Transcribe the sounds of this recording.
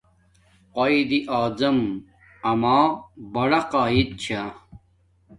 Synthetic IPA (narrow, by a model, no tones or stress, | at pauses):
qɐid̪iʔaːzɐm | ɐmaːbɐɽɐqaːid̪̚t͡ɕʰa